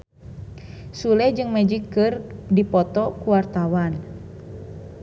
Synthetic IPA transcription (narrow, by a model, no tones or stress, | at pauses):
sulɛd͡ʒɨŋmɛd͡ʒikːɨrdipɔt̪ɔkuwart̪awan